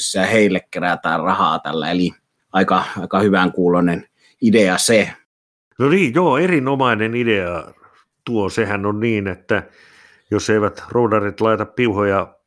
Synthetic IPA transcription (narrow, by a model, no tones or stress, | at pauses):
sːæɑheˑilːekkeræt̪æ̰ːrrɑhɑ̰ːˑt̪ælːæ̰eli | ɑˑikɑɑˑikɑhyʋæŋkuːlonen | ideɑse | noniːjjoːerinomɑinenideɑ | t̪uosehænonniːnet̪ːæ | joseiʋæt̪roudɑrit̪lɑit̪ɑppiuhojɑ